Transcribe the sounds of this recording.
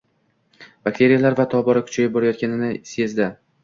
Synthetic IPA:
b̥ak̚t̪ʰe̞ɾijalaɾvat̪ʰɒbɒɾakʲʰʊ̥t͡ʃʰajɪp̚bɒɾajɒt̪̚kʲanɪnɪse̞zd̪ɪ

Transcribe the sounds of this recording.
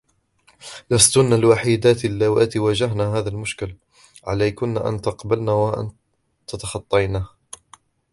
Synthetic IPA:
last̪ʊnalwaħid̪aːt̪alːawaːt̪ɪwad͡ʒaɦnaːɦaːðalmʊʃkɪl | ʕa̰lajkʊnːaːʔa̰nt̪ɑqbalnaːwaʔa̰n | t̪at̪ɑxɑt̪ˤːɑjnaːh

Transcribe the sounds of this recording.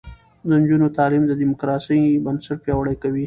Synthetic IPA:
d̪əɲd͡ʒunot̪ɑːlimd̪ədimʊkɾɑsəjbɐnsaʈ̚pjɑwaɽəjkawi

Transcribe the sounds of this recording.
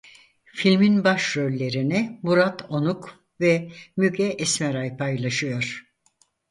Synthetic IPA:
filʲminbaʃɾølʲːe̞ɾinɛmuɾat̪ʰo̞nuk | vɛmyɡɛʔːsmɛɾajpʰajlˠaʃɯjo̞ɾ̥

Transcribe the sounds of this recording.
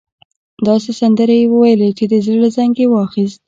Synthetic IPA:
d̪ɑsesand̪əɾejwəwajəlet͡ʃed̪əzlolazaŋɡewɑxist̪̚

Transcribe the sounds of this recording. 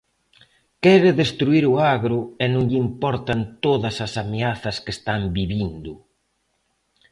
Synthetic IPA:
kɛɾɪðest̪ɾuiɾʊaɣɾʊɛnõŋʎimpɔɾt̪ɐnt̪oðɐsɐsameaθɐskest̪ambiβind̪ʊ

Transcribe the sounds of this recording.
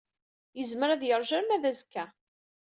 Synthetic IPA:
jəzməɾæðjəɾˤʒæɾnæðæzkːæ

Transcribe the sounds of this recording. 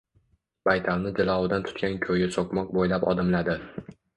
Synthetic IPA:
b̥ajt̪ʰalnɪd͡ʒɪlˠɒwɪd̪ant̪ʰʊ̥t̪kʲankʲʰɵjɪsokmɒq̚bojlapɒ̰d̪ɪmlad̪ɪ

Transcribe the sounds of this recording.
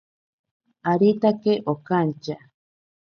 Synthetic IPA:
aɾit̪akeʔokant͡ʃa

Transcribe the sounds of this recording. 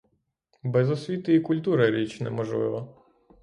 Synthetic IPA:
bɛzɔsʲʋʲit̪ɪikʊlʲt̪uɾɐɾʲit͡ʃnɛ̰mɔʒlˠɪ̰ʋɔ

